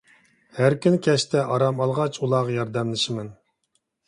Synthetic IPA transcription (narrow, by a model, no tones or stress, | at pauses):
hæɾkʲʰynkʲʰɛʃt̪ʰɛʔɑɾɑmɑlˠʁɑt͡ʃulˠɑːʁɑjɑɾd̪ɛmlˠɪʃɪmɪn